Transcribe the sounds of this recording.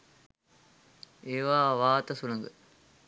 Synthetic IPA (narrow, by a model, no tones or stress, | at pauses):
eːʋaːʋaːt̪ɐsunɐŋɡə̰